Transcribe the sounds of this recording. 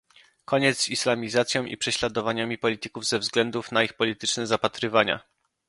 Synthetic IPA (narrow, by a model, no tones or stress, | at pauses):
kɔɲɛt̪sislamʲizat̪sʲjɔ̃w̃ʔḭpʂɛɕlad̪ɔvaɲamʲipɔlʲit̪ɘkuvzɛvzɡlɛnd̪ufn̪aixpɔlʲit̪ɘt͡ʂnɛzapat̪ɾɘvaɲa̰